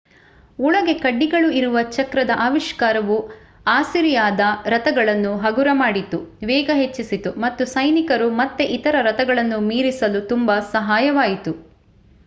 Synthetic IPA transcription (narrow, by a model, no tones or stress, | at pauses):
uɭɐɡe̞kɐɖːiɡɐɭuiɾuʋɐt͡ʃɐkɾɐd̪ɐʔaːʋiʃkaːɾɐʋu | aːsiɾijaːd̪ɐɾɐt̪ɐɡɐɭɐnːuɦɐɡuɾɐmaːɽit̪unʋɛːɡɐɦet͡ʃːisit̪umɐt̪ːusɐjnikɐɾumɐt̪ːeʔit̪ɐɾɐɾɐt̪ɐɡɐɭɐnːumiːɾisɐlut̪umbɐsɐɦaːjɐʋaːjit̪u